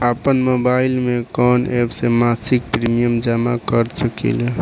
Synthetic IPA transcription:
apənmobailmekɔnebsemasik̚pɾimijəmd͡ʒamakəɾsəkḭl

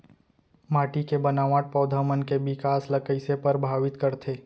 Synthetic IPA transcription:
maːʈikebənaːʋãːʈ̚pɔːd̪ʱəmənkebɪkaːslɐkəɪsepəɾbʱaːʋɪt̪kəɾt̪ʰeː

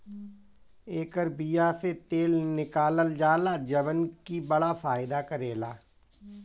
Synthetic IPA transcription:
eːkəɾbijaset̪eːlnɪkaːləld͡ʒaːlad͡ʒɐbənkibɐɽafaːjɪd̪akəɾeːlaː

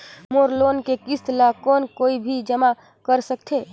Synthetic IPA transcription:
moːɾloːnkekist̪lakɔːnkoːibʱid͡ʒəma | kəɾsək̚t̪ʰe

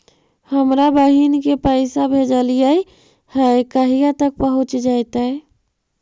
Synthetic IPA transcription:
həmɾabəɦinkepəɪsabʱed͡ʒəlijəi | həekəɦijat̪ək̚pəɦut͡ʃd͡ʒajt̪ae

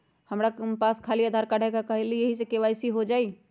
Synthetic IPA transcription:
həmɾapaskʰaliad̪ʱaɾkaɽ̤ɛkakəɦelijeɦisekeʋajsiɦod͡ʒai

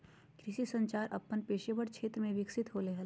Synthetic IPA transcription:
kɾɪʃisə̃ɲt͡ʃaːɾʔɐ̰pːənpeːʃebəɽkʃʰeːt̪ɾəmẽʋɪksɪt̪ɦoːleɦɐl

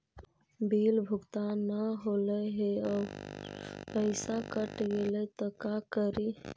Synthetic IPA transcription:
bilbʱukt̪anəɦoləɦeɔ | pəɪsakəʈɡelɛt̪əkakəɾi

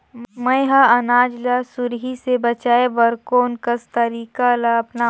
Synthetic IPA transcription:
mə̃jɦaɐnaːd͡ʒlasʊɾɦisebɐt͡ʃaːeʋɐɾkoːnkəst̪ɐɾiːkalaɐpna

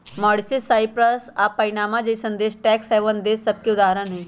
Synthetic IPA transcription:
mɔːɽsisaːipɾəsapɐinaːmad͡ʒɐisɐ̃nd̪eːʃʈɛːksɛːʋənd̪eːsɐb̚keʊd̪aːɦɾənɦɛ̃ː

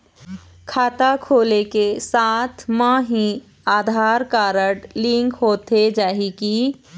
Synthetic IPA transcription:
kʰaːt̪akʰoːlekesaːt̪ʰmãːɦĩ | aːd̪ʱaːɾkaːɾəɽlɪ̃ŋkɦoːt̪ed͡ʒaːɦiki

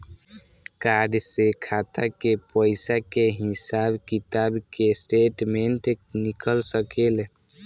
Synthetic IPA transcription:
kaɖsekʰat̪ʰakepəɪsakeɦisabkit̪abkesʈeʈmeɳʈenikəlsəkele

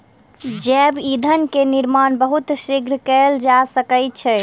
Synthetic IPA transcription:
d͡ʒɛbid̪ʱənkeniɾmanbəɦut̪siɡɾkɛld͡ʒasəkət͡ʃʰɛ

